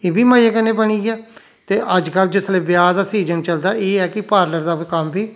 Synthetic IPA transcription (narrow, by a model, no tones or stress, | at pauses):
eːbiːmaːjakənːeːbəɽ̃iːɡɛː | t̪eːʔəd͡ʒkəld͡ʒʊsleːbɪjaːd̪aːsiːd͡ʒənt͡ʃəld̪aːeːɛːkɪpaːɾləɾd̪aːkəmbiː